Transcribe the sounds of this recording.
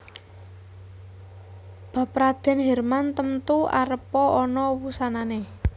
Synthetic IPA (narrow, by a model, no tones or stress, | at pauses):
b̥a̤pɾad̪̥ɛ̤nɦɛrmant̪əmt̪ua̰ɾəpɔɔnɔwusanane